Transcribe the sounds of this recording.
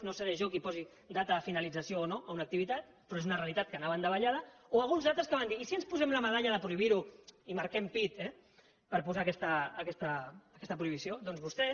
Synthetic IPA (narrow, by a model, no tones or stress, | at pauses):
noseɾeʒɔkipɔzi | d̪at̪əðəfinalid͡zəsioːnoaunak̚t̪iβit̪at̪̚ | pɾɔezunərealit̪at̪̚kənaβənd̪əβaʎaðəoalˠɣunzalt̪ɾəskəβand̪iːsiənspuzɛmləməð̞aʎəðəpɾuiβiɾuimaɾkɛmpit̪ɛ | pəɾpuzaːkɛst̪əːkɛst̪əːkɛst̪əpɾuiβisiod̪ɔnzβust̪ɛ